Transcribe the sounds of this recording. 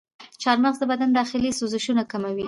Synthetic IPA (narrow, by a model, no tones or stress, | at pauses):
t͡ʃɑɾməɣzd̪əbad̪and̪ɑxɪlisuzɪʃunakamawi